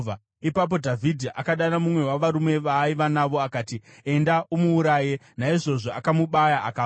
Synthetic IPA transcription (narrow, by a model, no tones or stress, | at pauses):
a | ipap̬o̞dʱavʱidʱiʔa̰kaɗanamumwe̞waʋaɾume̞ʋaːiʋanaʋo̞akaːtie̞ndaʔumuːɾaːje̞ | naiʐo̞ʐo̞akamuɓajaaka